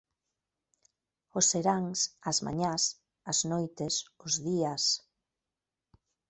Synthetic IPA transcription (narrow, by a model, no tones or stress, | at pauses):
ʊseɾaŋsɐzma̰ɲas | aznojt̪esʊzðias